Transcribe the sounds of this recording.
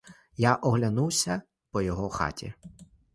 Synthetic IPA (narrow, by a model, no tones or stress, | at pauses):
jaʔɔɦlʲɐnuwsʲɐ | pɔjɔɦɔxɑ̰tʲḭ